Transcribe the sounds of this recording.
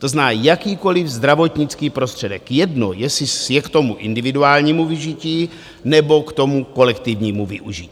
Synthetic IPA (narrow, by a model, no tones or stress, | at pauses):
t̪oznaːjakiːko̞lɪvzd̪ɾavo̞t̪ɲɪt͡skiːpɾo̞st̪r̥ɛdɛkjɛdno̰jɛsɪjɛkt̪o̞muʔɪndɪvɪduaːlɲiːmuvɪʒiciː | nɛbo̞kt̪o̞muko̞lɛkt̪ɪvɲiːmuvɪʔuʒiciː